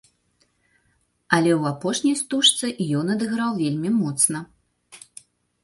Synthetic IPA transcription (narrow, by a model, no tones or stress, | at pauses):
ɐlʲɛwapɔʂnʲijst̪uʂt̪sɨʔjɔnɐd̪ɨɣɾawvʲelʲmʲimɔt̪snɐ